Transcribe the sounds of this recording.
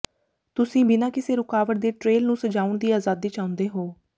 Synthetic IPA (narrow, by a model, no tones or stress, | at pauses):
t̪ʊsĩːbinãːkɪseːɾʊkaːʋəʈ̚d̪eːʈɾeːlnũːsəd͡ʒaːʊɳd̪iːaːzaːd̪iːt͡ʃaːʊ̃nd̪eːɦoː